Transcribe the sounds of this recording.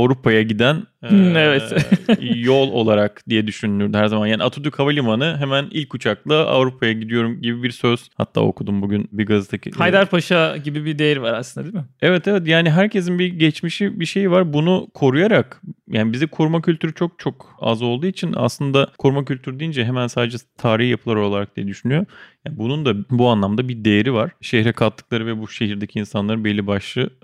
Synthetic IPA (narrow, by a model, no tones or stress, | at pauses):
avɾupʰajaɟid̪ænɛvɛt̪ | jolˠo̞̰lˠaɾakd̪ijɛd̪yʃynyːyɾd̪yɦæɾzamanjaːniat̪ʰod̪ykʰavalʲimanɯɦemænilʲcʰːut͡ʃʰaklˠaʔa̰vɾupʰajaɟid̪ijo̞ɾumɟibibiɾsøz̥ha̰t̪ʰːa̰ːo̞̰kʰud̪umbuɟynbiɡazɯt̪ʰaciajd̪aɾpʰaʃaɟibibid̪ejiɾvaɾaslɯnd̪ad̪ilimɪɛvɛt̪ʰevɛt̪jaːniɦæɾcʰe̞zinbiɟɛt͡ʃmiʃibiʃe̞jvaɾbunukʰo̞ɾujaɾakjaːnibizikʰuɾmacʰylʲt̪ʰyɾyt͡ʃʰo̞k̚t͡ʃʰo̞k | a̰zˠo̞lˠd̪uːit͡ʃʰina̰slˠɯnd̪akʰuɾmacylʲt̪ʰyɾyd̪ijind͡ʒɛɦemænsaːd̪ed͡ʒɛt̪ʰaːɾihjapʰɯlˠaɾo̞lˠaɾak̚d̪ijɛd̪yʃynyjo̞jaːnbunund̪abuanlˠamd̪abiɾd̪ejeɾivaɾ̥ʃehɾɛkʰalˠt̪ʰːɯklˠaɾɯvɛbuʃe̞ɦiɾd̪e̞cʰiːnsanlˠaɾɯnbelʲːibaʃlˠɯ